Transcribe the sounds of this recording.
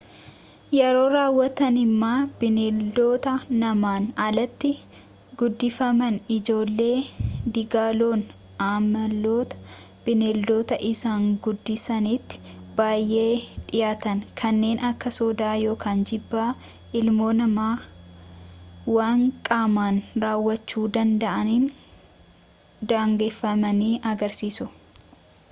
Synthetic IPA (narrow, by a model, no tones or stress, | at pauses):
jɛɾo̞ːɾaːwːɐt̪ɐnɪmːaːb̥ɪneːld̪o̞ːt̪ɐnɐmaːnɐlɐt̪ːɪ | ɡʊd̪ːɪfɐmɐnɪd͡ʒo̞ːlːe̞ːd̪ɪɡaːloːn | aːmɐlːo̞ːt̪ɐ̥ | b̥ɪneld̪o̞ːt̪ɐʔɪsaːŋɡʊd̪ːɪsɐnit̪ːɪ̥b̥aːjʔe̞ːᶑɪjaːt̪ɐnkʰɐnːe̞ːnʔɐkːɐsɔːd̪aːjo̞ːkʰaːnd͡ʒɪbːaː | ʔɪlmo̞ːnɐmaː | waːŋkʼaːmaːnɾaːwːɐt͡ʃːuːd̪ɐnd̪ɐʔɐnin | d̪aːŋɡeːfːɐmɐniːʔɐɡɐɾsiːsʊ